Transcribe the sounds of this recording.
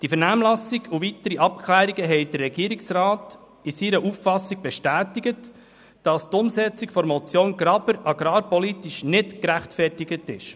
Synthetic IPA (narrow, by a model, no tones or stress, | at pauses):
d̥ifɛɾnæːmlɑsiɡuvitəɾiʔɑpkʰlæːɾiɡəɦɛɪdərːɛɡiəɾiksrɑːt | ɪsiɾəʔuffɑsiɡ̥̚b̥ɛʃtæːtiɡət | d̥ɑst̪ʊmsɛt͡siɡfɔɾmɔt͡sjoːnɡɾɑbəɾɑɡ̥ɾɑːɾpɔlitiʃnɪtkɾæχtfɛrtiɡətɪ̰ʃ